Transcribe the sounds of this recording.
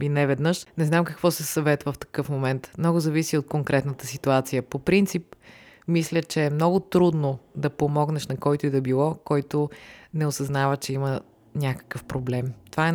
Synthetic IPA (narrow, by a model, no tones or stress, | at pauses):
inɛvɛd̪nəʃnɛznamkəkvɔsɛsɐvɛt̪vəft̪ɐ̥kɤfmomɛnt̪mnɔɡʊzɐvisiot̪̚koŋkɾʔɛt̪nət̪ə̥sit̪uat̪sijəpopɾint̪sip̚mislʲət͡ʃɛːmnɔɡʊt̪ɾud̪nod̪ɐpomɔɡnɛʃnɐkɔjt̪ʊid̪ɐbilˠɔkɔjt̪oʊnɛosɐznavət͡ʃɛimə | nʲakə̥kəfpɾoblɛmt̪ovaɛ